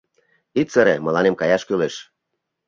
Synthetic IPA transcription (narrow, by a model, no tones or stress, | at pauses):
it̪t͡səɾemə̆lɑnemkɑjɑʃkyleʃ